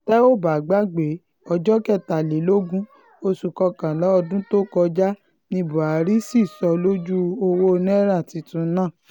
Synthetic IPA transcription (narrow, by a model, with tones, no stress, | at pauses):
tɛ˦o˦˨ba˨ɡ͡ba˦ɡ͡be˨˦ | ɔ˧d͡ʒɔ˦kɛ˦˨ta˨le˨˦lo˦ɡũ˦ | o˧su˨kɔ˧kã˨lɔ˨˦ɔ˧dũ˦to˦kɔ˧d͡ʒa˦ | nĩ˧bũ˨a˨ɾi˦si˦˨sɔ˧lo˦d͡ʒu˦o˧wo˦˧ñ˦ɛ˦ɾa˦˨ti˧˦tũ˧nã˦˨